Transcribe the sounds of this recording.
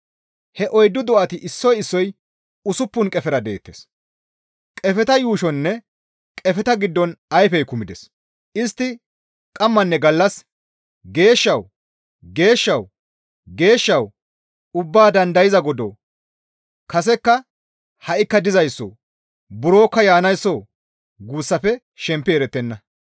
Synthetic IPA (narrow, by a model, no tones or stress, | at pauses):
hɛʔɔjd̪ːʊd̪ɔʔɐt̪ɪʔɪsːɔjɪsːɔj | ʊsʊpːʊnkʼɛfɛɾɐd̪e̞̰ːt̪ːḛs | kʼɛfɛt̪ɐjuːʃɔnːɛ | kʼɛfɛt̪ɐɡɪd̪ːɔnɐjfɛjkʊmɪd̪ɛs | ʔɪst̪ːɪ | kʼɐmːɐnːɛɡɐlːɐs | ɡe̞ːʃːɐw | ɡe̞ːʃːɐw | ɡe̞ːʃːɐw | ʊbːaːd̪ɐnd̪ɐjɪzɐɡɔd̪ɔ | kɐsɛkːɐ | hɐʔɪkːɐd̪ɪzɐjsːɔ̰ | bʊɾo̞ːkːɐjaːnɐjsːɔ | ɡuːsːɐfɛ | ʃɛmpːɪɛɾɛt̪ːɛnːɐ